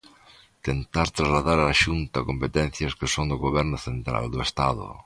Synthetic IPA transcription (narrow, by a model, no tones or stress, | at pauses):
t̪ent̪aɾt̪ɾazlaðaɾaːʃunt̪ɐakompet̪ɛ̃nθjɐskɪsoŋd̪ʊɣoβɛɾnʊθent̪ɾa̰ld̪ʊest̪aðʊ̰